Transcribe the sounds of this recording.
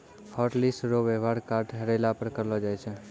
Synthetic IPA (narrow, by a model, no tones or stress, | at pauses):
hɔːʈlisɾoʋeʋaɾkaːɾʈɦəɾelapəɾkəɾlod͡ʒaːɛt͡ʃʰe